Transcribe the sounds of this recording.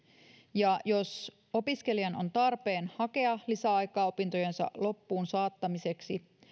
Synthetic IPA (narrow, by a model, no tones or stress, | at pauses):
jɑjo̞s | o̞piske̞lijɑno̞̰nt̪ɑrpe̞ːnhɑke̞ɑlisæɑjkɑːo̞pint̪o̞jensɑ̰lo̞pːuːnsɑːt̪ːɑmise̞ksi